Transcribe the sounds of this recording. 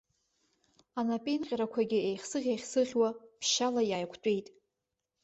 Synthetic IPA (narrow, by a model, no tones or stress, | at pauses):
anapʼinqʲʼɾakʷʰaɡʲɪejχsɨʁʲejχʲsɨʁʲwapʰʃalajaːjkʷʰt͡pʷʼejtʼ